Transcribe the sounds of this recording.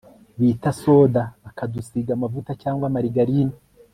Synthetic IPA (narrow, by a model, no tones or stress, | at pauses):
βiːtaso̞ːdaβakadusiɡamavutacaːŋɡwamaɾiɡaɾini